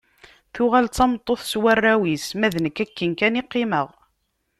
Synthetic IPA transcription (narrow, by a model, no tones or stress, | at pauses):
θʊʁælt͡sːɑmt̪ˤːoθswarːæwismæðnəkːækːənkænɪqːɪməʁ